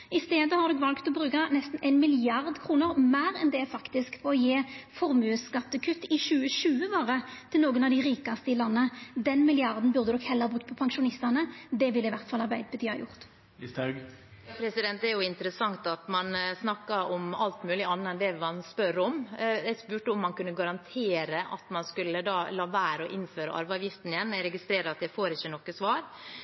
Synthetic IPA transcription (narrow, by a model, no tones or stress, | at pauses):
ɪst̪eːd̪əhɑʁd̪ɔːkʋɑlkt̪ɔbʁʉːkɑnɛst̪n̩ʔæɪnmɪlɪɑʁd̪kʰɾuːnəʁmæːɾɛnd̪ɛfɑkt̪ɪskfɔɔjeːfɔɾmʉːskɑt̪ːəkʰʉt̪ːɪʃʉːəʃʉːəʋoːʁət̪ʰɪlnoːɡənɑʋd̪ɪɾiːkɑst̪əɪlɑnːəd̪ɛnmɪlɪɑʁd̪n̩bʉʁd̪əd̪ɔkhɛlːəɑbʁʉkt̪pʰɔpʰɑŋʃʊnɪst̪ɑnəd̪ɛʋɪlɪʋæʁt̪fɑlːɑʁbæɪd̪əbət̪ʰyːhɑ̰jʊ̰ʁt̪ | t̪ | jpʰɾɛsɪd̪ɛnt̪ɛɾjʊɪnt̪əɾəsɑŋt̪ɑt̪mɑnsnɑkːɑɔmɑlt̪mʉːlɪɑnːəɛnd̪ɛʋmɑnspœɾɔmɛɪspʉːʈəɔmːɑnkʉnːəɡɑɾɑnt̪ʰeːɾəʔɑ̰t̪mɑnskʉlːəd̪ɑːlɑːʋæːɾəɔʔɪnːføːɾə̰ʔɑ̰ɾʋɑːʋjɪft̪n̩ɪjɛnːæɪɾɛɡɪst̪ɾeːɾɑt̪̚d̪ɛfoːɾɪçːənɔkːəsʋɑːɾ